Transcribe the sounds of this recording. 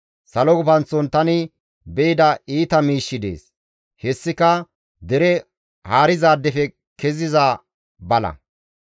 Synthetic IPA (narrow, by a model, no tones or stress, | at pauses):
sɐlɔɡʊpɐnt͡sːɔnt̪ɐnɪ | bɛɪd̪ɐiːt̪ɐmiːʃːɪd̪ḛːs | hɛsːɪkɐ | d̪ɛɾɛ | haːɾɪzaːd̪ːɛfɛ | kɛzɪzaː | bɐlɐ̰